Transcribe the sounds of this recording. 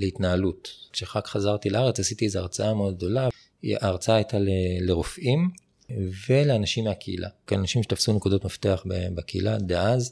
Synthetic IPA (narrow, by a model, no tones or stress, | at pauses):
leitnaalutʃeʁakχazaʁt̪ilaaʁet͡shasit̪iezeaʁt͡saameo̞d̪̚ɡ̚d̪o̞la | ʔaʁt͡saaajt̪aleleʁofʔim | veleanaʃimːeakʰeḭlʔa̰keanaʃimʃet̪afsunekud̪o̞tmaft̪e̞aχbebakeḭlad̪eaz